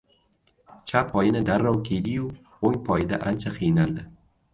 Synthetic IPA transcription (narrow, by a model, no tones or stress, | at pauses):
t͡ʃʰapʰɒjɪnɪd̪aɾːɒwkʲʰejd̪ɪjʊ | oŋpʰɒjɪd̪aʔant͡ʃʰaqʰɨjnald̪ɪ